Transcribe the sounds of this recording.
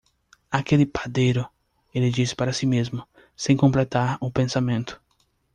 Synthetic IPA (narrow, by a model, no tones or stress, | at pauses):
akelɪpad̪ejɾʊ | elɪd͡ʒisɪ̥paɾɐsimezmʊ | sẽj̃kõmplet̪aɾũpẽnsamẽnt̪ʊ̥